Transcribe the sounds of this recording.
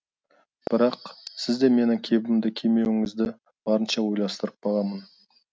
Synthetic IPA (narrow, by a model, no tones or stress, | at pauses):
b̥ɪɾɑqsɪzd̪e̞me̞nɪŋkʲʰe̞bɪmd̪ɪkʲʰe̞me̞wɪŋɪzd̪ɪ | b̥ɑɾənʃɑwo̞jlˠɑst̪əɾəp̚bɑlˠɑmən